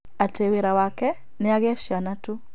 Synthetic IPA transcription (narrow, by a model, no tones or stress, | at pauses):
ateweɾawakɛ | neaɣeaʃjanatu